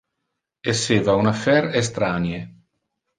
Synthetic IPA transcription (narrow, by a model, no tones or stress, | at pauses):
esːeːvaunafɛɾes̬t̪ɾanje